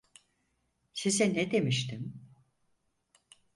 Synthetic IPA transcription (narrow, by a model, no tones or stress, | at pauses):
sisɛnɛd̪e̞miʃt̪ʰim